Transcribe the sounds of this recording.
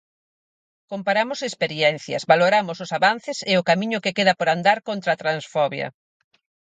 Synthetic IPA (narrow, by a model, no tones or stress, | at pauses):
kompaɾamʊsespeɾiɛn̟θjɐ̰zβaloɾamʊsʊsaβan̟θɪseʊkamĩɲʊkekeðɐpoɾand̪aɾkont̪ɾat̪ɾansfɔβjɐ̰